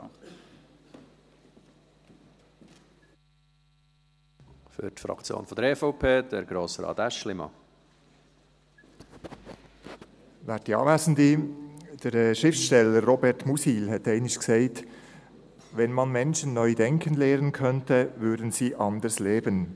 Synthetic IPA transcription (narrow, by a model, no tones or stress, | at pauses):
fʏ̰ɾtfɾɑ̰kt͡sjo̰ːnfɔd̪əɾɛfɔʊpʰeːd̪̥əɾɡɾoːsɾɑ̰ːt̪æʃlɪmɑ̰ | væːt̚d̥iɑ̰ːvæːsən̩did̥əɾʃɪftʃtɛləɾːɔbɛɾtmusiːlɦɛtɛɪnɪʃksɛɪt | ʋɛnmɑnmɛnʃənːœʏdɛŋkʰənlɛːɾənkʰœntəvʏːɾdən̩siːʔɑndəsleːbən